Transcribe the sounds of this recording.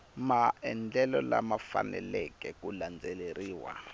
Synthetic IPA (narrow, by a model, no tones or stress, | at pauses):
maɛnd͡ɮɛlɔlamafanɛlɛkɛkuland͡zʱɛleriːwa̰